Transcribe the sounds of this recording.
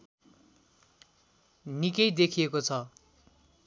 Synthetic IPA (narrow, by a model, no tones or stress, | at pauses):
nikʌjd̪ekʰijekot͡sʰʌ